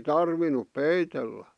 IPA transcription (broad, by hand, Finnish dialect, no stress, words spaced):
tɑrʋinup peitelːæ